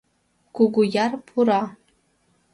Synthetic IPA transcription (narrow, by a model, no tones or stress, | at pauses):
ɡ̥ʊɡʷʊjarpʰuɾa